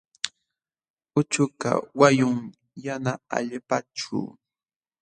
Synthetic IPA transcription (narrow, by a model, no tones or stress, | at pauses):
ʊt͡ʃʊka̰wajʊŋ | janaa̰ʎɪpaʈ͡ʂʊ̰